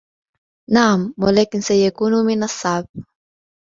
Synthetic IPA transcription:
naːmːolekinsejekunuminasab̚

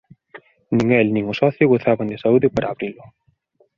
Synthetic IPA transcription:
nĩŋɛlnĩŋʊsɔθjʊɣoθaβand̪esauðɪpaɾʔaːβɾilʊ

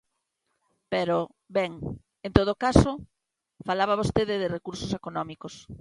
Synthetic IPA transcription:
peɾo | bɛŋ | ent̪oð̞okaso | falaβ̞aβ̞ost̪eðɪðɪrekuɾsosekonɔmikos

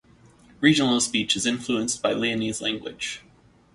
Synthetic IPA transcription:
ɹid͡ʒɨ̃n̩l̩ˠspit͡ʃɨzɪ̃ɱfluə̃nsb̥aɪliɨnizlæ̃ŋɡwɪ̰d̥ʒ̥

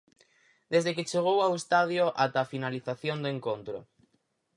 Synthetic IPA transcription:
d̪ezðeket͡ʃeɣ̞owawest̪aðjoʔat̪afinaliθaθjond̪ʊeŋkont̪ɾʊ̰

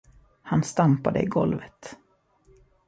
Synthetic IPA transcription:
hanst̪ampad̪əɪɡɔlvət̪

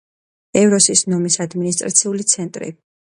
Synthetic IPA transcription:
ɛvɾɔsisnɔmisad̪minis̬t̪ʼɾat̪sʰiulit̪sʰɛnt̪ʼɾḭ

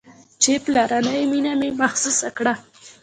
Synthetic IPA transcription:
t͡ʃeplaɾanəjminamemaxsusakɽa

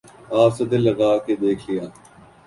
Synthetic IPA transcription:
aːpsɐd̪elːəɡaːked̪eːkʰlɪjaː

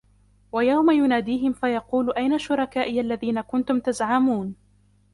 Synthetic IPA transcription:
wajawmajʊnaːd̪iːɦɪmfajɑquːlʔajnaʃʊɾˤɑkaːʔɪjalːaðiːnakʊnt̪ʊmt̪azʕamuːn

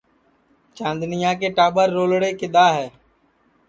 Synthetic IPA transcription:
t͡ʃãːnd̪nɪjãːk̬eʈaːbəɾːoːlɽekɪd̪aːɦɛː

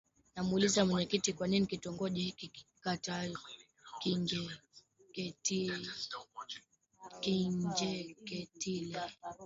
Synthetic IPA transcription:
namuulizamwɛɲɛkitikwaninikitɔŋɡɔʄɛkikatajɔ | kiɲd͡ʒɛ | kɛti | kiɲd͡ʒɛkɛtilɛ

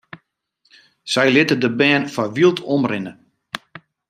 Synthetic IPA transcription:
sɛjlɪtədəbɛːnfaʋilˠtʰɔmrɪnə

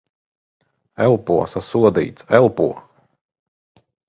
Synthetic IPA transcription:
ɛlˠpuɔsasuɔd̪ḭːt̪sɛlˠpṵɔ

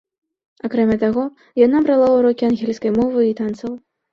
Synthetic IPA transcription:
akɾɛmʲat̪aɣɔ | janabɾalˠauɾɔkʲianɣʲɛlʲskɐjmɔvɨit̪ant̪sɐw

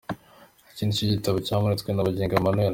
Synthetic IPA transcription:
haciːndiciɟitaβocaːmuɾit͡skwenaβaɟeːŋɡamanoja

